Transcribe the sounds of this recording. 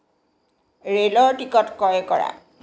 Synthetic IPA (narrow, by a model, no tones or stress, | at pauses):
ɹelɔɹʈikɔtkɔjkɔɹa̰